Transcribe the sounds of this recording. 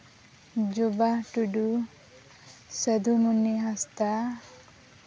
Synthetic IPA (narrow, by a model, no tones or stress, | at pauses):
d͡ʒubaʈuɖu | səd̪ʱumunːiɦast̪a